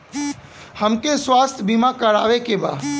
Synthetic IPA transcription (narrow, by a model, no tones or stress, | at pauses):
həmkeswaːst̪ʰbimakəɾaːʋekeba̰ː